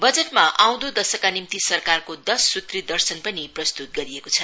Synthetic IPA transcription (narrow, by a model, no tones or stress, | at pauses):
bʌd͡zeʈ̚maʔaw̃d̪od̪ʌsʌkanimt̪isʌrkarkod̪ʌsːut̪rid̪ʌrsʌnpʌniprʌst̪ut̪̚ɡʌɾiekot͡sʰʌ